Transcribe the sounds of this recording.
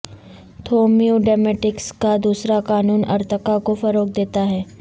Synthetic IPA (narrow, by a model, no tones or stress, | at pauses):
t̪ʰoːmioɖɛːmɛːʈɪkskad̪uːsɾakaːnuːnɐ̰ɾt̪ʰəkakofɐɾoːk̚d̪eːt̪aɦɛː